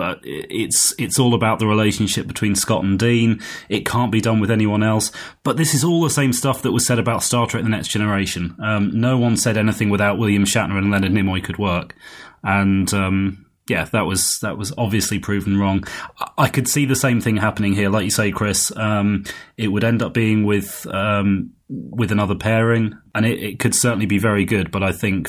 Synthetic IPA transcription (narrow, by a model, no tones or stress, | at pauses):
b̥ʌɪ̰ɪtsɪtsɔːlˠəbaʊʔ̪̚ðəɹɪleɪʃə̃n̩ʃɪp̚b̥ɨtʰw̥ĩnskɒ̰ʔn̩dĩnɪt̚kʰɑ̃ˑnb̥idʌ̃nwɪðɛniwʌ̃nɛlˠsb̥ʌt̪̚ðɪsɨzɔlˠðəsẽɪ̃mstʌfðəʔ̚wʌz̥sɛɾəbaʊtstɑɹtʰɹ̥ɛk̚ðə̃nɛksd̥ʒ̥ɛnə˞eɪʃə̃nʌ̃mnəʊwʌ̃nsɛɾɛnɪθɪ̃ŋwɪðaʊʔwɪlˠjɨ̃mʃa̰ʔnə˞ɨ̃nlɛnɨnɪmɔɪkʰɨd̚wɜˑ˞kə̃nʌ̃m | jæðəʔwʌz̥ðəʔwʌzɒbviəslipʰɹ̥ʉːṽn̩ɹɔ̃ŋaɪkʰɨd̥siːðəsẽɪ̃mθɪ̃ŋɦapənɪ̃ŋɦɪəlaɪkjɨseɪkʰɹ̥ɪsʌ̃mɪʔ̚wəɾɛ̃ndʌp̚b̥iɪ̃ŋwɪð̥ʌ̃m | wɪðənʌðəpʰɛːɹɪ̃ŋə̃ñɪʔɪt̚kʰɨd̥sɜˑ˞ʔn̩libivɛɹiɡʊd̚bʌɾaɪθɪ̃ŋk